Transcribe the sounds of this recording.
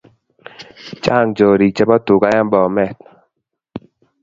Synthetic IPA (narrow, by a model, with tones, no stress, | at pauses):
t͡ʃa˦˨ŋd͡ʒɔ˨ɾi˨t͡ʃɛ˦bɔ˦tu˨ka˦ja˦mbɔ˨mɛ˦˨t̚